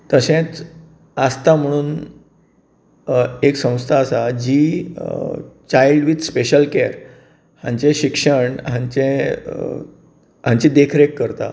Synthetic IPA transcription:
t̪əsẽt͡s | əst̪am̤əɽ̃uːn | eksə̃w̃st̪ʰaːsad͡ʑiː | t͡ɕajlɖʋid̪speɕəlkeɾ | hãɲt͡ɕeɕikʂəɳɦãɲt͡ɕẽ | ɦãɲt͡ɕid̪ekʰɾekːəɾt̪a̰

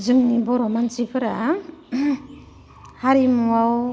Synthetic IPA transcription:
zɯŋibɔɾɔmansipʰɯɾa | haɾimuaw

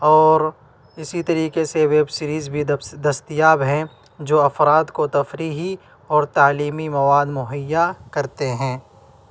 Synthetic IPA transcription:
ɔːɾ | ɪsit̪ɐɾiːkeseʋeːbsɪɾiːzbʱid̪ɐst̪ɪjaːbɦɛ̃ | d͡ʒoːɐfɾaːd̪kot̪ɐfɾiːɦi | ɔːɾt̪aːliːmimɐʋaːd̪mʊɦəjːakɐɾt̪eɦɛ̃ː

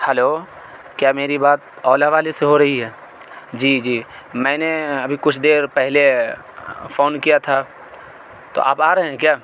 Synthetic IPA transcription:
hɛloː | kjaːmeːɾibaːt̪̚ | ɔːlaʋaːleseɦoɾɐɦiɦɛː | d͡ʒiːd͡ʒiː | mɛ̃ːneɐbʱikʊt͡ʃʰd̪eːɾpɛɦle | foːnkijat̪ʰa | t̪o̰ʔa̰ːpaːɾɐɦẽɦɛ̃kjaː

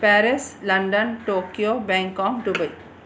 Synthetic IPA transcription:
pɛɾeslɐ̃ɳɖənʈoːkioːbɛ̃ŋkɔ̃ːŋɖubɐj

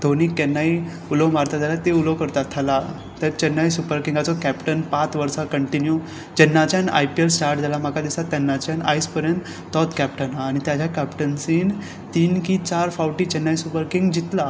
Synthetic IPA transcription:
d̪ʱoniːkːɛnːai | uləwmaɾt̪ad͡zalat̪euləwkəɾt̪at̪ʰːala | t̪əɾt͡ɕənːajsupəɾkĩŋɡat͡sɔkæpʈənpat̪ʋəɾsakəɳʈinju | t͡ɕənːat͡ɕjana̰jpielsʈaɾʈ̚d͡zalam̤akʰad̪isat̪ːjɛnːat͡ɕjana̰jspəɾjən | t̪ɔt̪kɛp̚ʈənaːɽ̃it̪jat͡ɕjakɛpʈənsiːn | t̪iːnkit͡ɕaɾfawʈiːt͡ɕənːajsupəɾkiŋɡd͡ʑit̪la

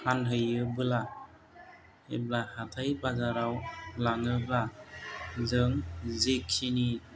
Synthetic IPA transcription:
hanɦɯjɯbɯla | heblahatʰajbazaɾawlaŋɯbla | zɯŋzekʰːini

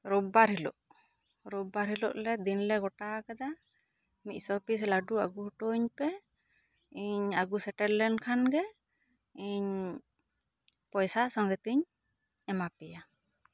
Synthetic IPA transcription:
ɾubaɾɦilɔʔ | ɾubaɾɦilɔ̰ʔlɛd̪inlɛɡɔʈakad̪a | mic̪̚ˀsɔpis̬laɖua̰ɡuɦuʈoɲpɛ | iɲaɡusɛʈɛllɛnkʰanɡɛ | iɲ | pɔjsasɔŋɡɛt̪iɲ | ɛmapɛja

